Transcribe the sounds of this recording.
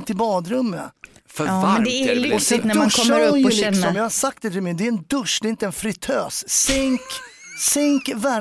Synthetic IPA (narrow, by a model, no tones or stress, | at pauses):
nt̪ɪbɑːd̪ɾɵmːə̰ | fnd̪ɛlsɪnæd̪ʊʂɔlkɔmjɑːhasak̚t̪ɛt̪ɪmɪd̪ɛɛɾɛnd̪ɵʂd̪ɛɪnt̪əɛnfɾɪt̪ʰøːssɛŋk | sɛŋkvæ